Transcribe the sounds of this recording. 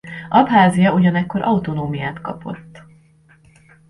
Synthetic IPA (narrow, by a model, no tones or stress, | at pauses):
ʔɒbɦaːzijɒuɟɒnɛkːo̞ɾʔɒut̪o̞noːmijaːt̪kɒ̰po̞̰t̪ː